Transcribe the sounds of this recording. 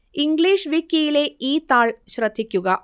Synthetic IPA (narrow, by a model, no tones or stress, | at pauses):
iŋɡliːʃʋikːijileːiːt̪aːɭʃɾɐt̪ʰikjuɡɐ